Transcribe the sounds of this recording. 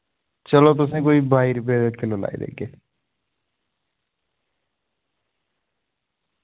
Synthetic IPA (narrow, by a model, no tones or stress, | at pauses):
t͡ʃəlot̪̬ʊs̬ẽːkoːibʱaːiɾpeːd̪əkʰɪlola̰ːḭd̪ḛːɡeː